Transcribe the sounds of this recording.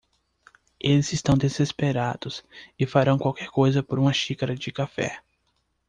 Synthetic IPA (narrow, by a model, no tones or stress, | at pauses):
elɪzɪst̪ɐ̃w̃d̪ezespeɾad̪̥ʊsɪfaɾɐ̃w̃kwawkɛɾkojzɐpoɾũmɐʃikaɾɐd͡ʒɪkafɛ̰